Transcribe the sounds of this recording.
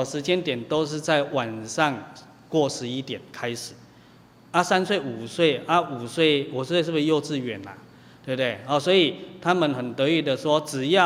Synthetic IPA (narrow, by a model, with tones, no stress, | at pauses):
ʂɻ̩˧˥t͡ɕjɛ˦˥nt̪jɛ˨˩nt̪o˥ʊʂ̬ɻ̩˥˧t͡sa˥˩ɪwa˨˩nʂɑ˥˧ŋ | kwɔ˥˩ʂɻ̩˧˦i˦˥t̪jɛ˨˩nkʰa˦ɪʂɻ̩˨˩˦ | a˦sa˦nswe˥˩ɪu˨˩swe˥˩ɪʔa˦u˨˩swe˥˩ɪu˨˩s̩˥˦˥e˥˧ʂ̩˥˩˧ʂjo˥˧ʊt͡sɹ̩˥˩ɥɛ˨˩˦nla̰˨ | t̪we˥˧˩t̪we˥˩ɪha˨˩swɔ˧˥i˨˩t̪ʰa˦˥mə˨nxə˨˩nt̪ə˧˦i˨˩d̪ə˨ʂwɔ˦t͡sɹ̩˨˩ja˥˨